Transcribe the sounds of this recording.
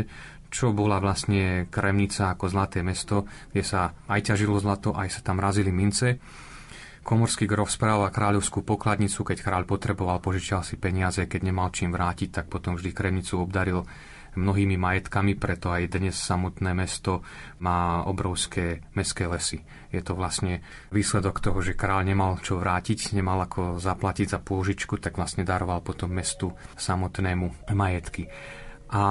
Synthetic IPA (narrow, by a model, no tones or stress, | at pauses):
t͡ʃɔbɔlaʋlast̪ɲɛkɾɛmɲit͡saːkɔzlat̪ɛːmɛst̪ɔɡ̥ɟɛsaajcaʒilɔzlat̪ɔʔajsḁt̪amɾazilimint͡sɛ | kʰɔmɔɾskiɡɾɔfspɾaːʋakɾaːʎɔʊskuːpɔklad̪ɲit͡sukɛckɾaːʎpɔt̪ɾɛbɔʋalpɔʒit͡ʃalsipɛɲɪazɛkɛɟɲɛmalt͡ʃiːmʋɾaːcic̚t̪ak̚pɔt̪ɔmvʒd̪ikɾɛmɲit͡suɔbd̪aɾil | mnɔɦiːmimajɛt̪kamipɾɛt̪ɔajd̪ɲɛssːamɔt̪nɛːmɛst̪ɔ | maːɔbɾɔʊskʰɛːmɛskɛːlɛsi | jɛt̪ɔʋlasɲɛ | ʋiːslɛd̪ɔkt̪ɔɦɔʒɛkɾaːʎɲɛmalt͡ʃɔʋɾaːcicɲɛmalakʰɔzaplaciɟzapʊɔʒit͡ʃkut̪aɡʋlasɲɛd̪aɾɔʋalpɔt̪ɔmːɛst̪usamɔt̪nɛːmumajɛt̪ki | ʔa